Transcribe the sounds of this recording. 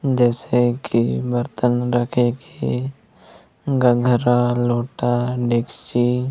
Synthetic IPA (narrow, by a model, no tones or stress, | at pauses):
d͡ʒɛːsekʰibəɾt̪ənɾəkʰeke | ɡəɡʱɾaloːʈaɖeːkt͡ʃiː